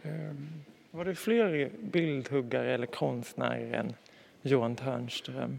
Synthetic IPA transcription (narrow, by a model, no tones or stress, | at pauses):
vaɖɛfleːɾbɪld̪hɵɡːaɾɛlːəɾkʰɔnst̪næ̰ːɾəɾɛ̰n | juːant̪ʰœɳsʈ̪ɾœ̰m